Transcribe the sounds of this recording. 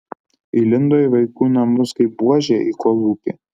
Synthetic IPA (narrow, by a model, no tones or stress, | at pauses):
ɪlʲɪnd̪oːiʋɐɪkuːnɐmʊskɐɪp̚buɔʒʲeʔikoːlˠuːpʲeː